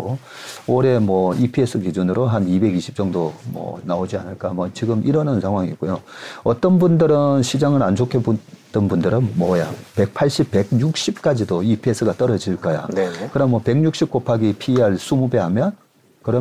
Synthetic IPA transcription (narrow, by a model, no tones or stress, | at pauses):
o | oɾe̞mwʌipʰie̞s͈ʰɯkid͡ʑunɯɾoɦanibe̞ɡiɕʰi̥p̚t͡ɕ͈ʌŋdomʌ̰naod͡ʑia̰nɯɭk͈amwʌt͡ɕiɡɯmʔiɾʌnɯnsʰaŋɦwaŋik͈ojoʌt͈ʌnbundɯɾɯnɕʰid͡ʑaŋɯɾant͡ɕʰokʰebud͈ɯnbundɯɾɯnmʌjape̞k̚pʰaɭɕ͈ip̚p͈ːe̞ɡ̚ɲuk̚ɕ͈ip̚k͈ad͡ʑidoipʰie̞s͈ʰɯɡat͈ʌɾʌd͡ʑiɭk͈ʌja̰nekɯɾʌnmwʌpe̞ɡɲuk̚ɕ͈ʰip̚k͈opʰaɡipʰiaɭs͈ʰumube̞ɦamjʌn | kɯɾʌ